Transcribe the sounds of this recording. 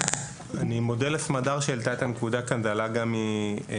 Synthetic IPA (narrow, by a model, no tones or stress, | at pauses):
animodelesmadaʁʃelt̪at̪amekud̪akanzalaɡami